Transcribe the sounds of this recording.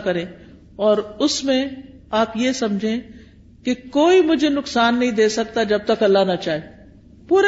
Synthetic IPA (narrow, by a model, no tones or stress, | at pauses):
kɐɾẽː | ɔːɾʊsmẽ | aːpjesɐmd͡ʒʱẽ | kekoːimʊd͡ʒʱenʊksaːnːɐɦĩd̪eːsɐk̚t̪ad͡ʒɐb̚t̪ɐkɐlːanat͡ʃaːɦe | puːɾ